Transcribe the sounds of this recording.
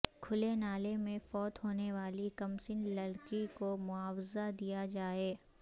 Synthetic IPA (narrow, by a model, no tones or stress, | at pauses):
kʰʊlenaːlemẽfɔːt̪ɦoːneʋaːlikɐmsɪnlɐɽkikomʊaːwzad̪ijad͡ʒaːeː